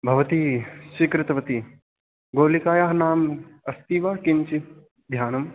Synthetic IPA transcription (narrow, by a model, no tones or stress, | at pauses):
bʱɐʋɐt̪iːʃikɾɪt̪ɐʋɐt̪i | ɡoːlikaːjaːɦnaːmɐst̪iːʋaːkiɲt͡ʃi | d̪ʱjaːnɐm